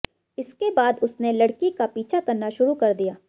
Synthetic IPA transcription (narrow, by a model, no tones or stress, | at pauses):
ɪskebaːd̪ʊsnelɐɽkikapiːt͡ʃʰakɐɾnaʃʊɾukɐɾd̪ijaː